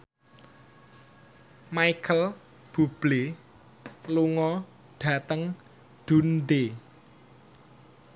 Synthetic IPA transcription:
maikʰəl | b̥ub̥le | luŋɔ | ɖ̥a̤t̪əŋ | d̪̥ṳnd̪e

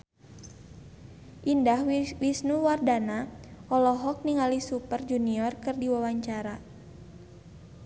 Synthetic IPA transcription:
ʔindahwisnuwardanaʔɔlɔɦɔk̚niŋalisupərd͡ʒuniɔrkɨrdiwawaɲt͡ʃaɾa

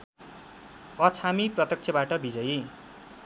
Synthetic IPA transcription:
ʌt͡sʰamiprʌt̪ʌk̚t͡sʰʌbaʈʌbid͡zʌji

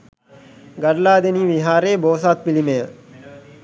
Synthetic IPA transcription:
ɡɐɾlaːd̪eniːʋiɦaːɾeːboːsaːt̪̚pilimejə

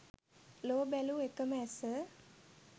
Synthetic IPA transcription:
loːbæluekəməɛsə

